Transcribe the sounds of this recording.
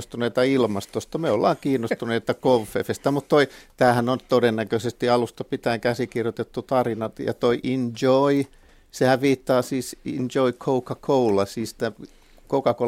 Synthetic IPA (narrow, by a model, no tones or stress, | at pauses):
st̪uneit̪ɑilmɑst̪ost̪ɑmeolːɑ̰ːŋkiːnːost̪uneit̪ɑkofːefest̪æmut̪t̪oit̪æːhænont̪odenːækøsest̪iɑlust̪ɑpit̪æːŋkæsikirjot̪et̪ːut̪ɑrinɑt̪jɑ̰t̪oiʔind͡ʒoi | sehæʋʋiːt̪ːɑːsiːsind͡ʒoikʰoukɑkʰoulɑsiːst̪æ | kokɑko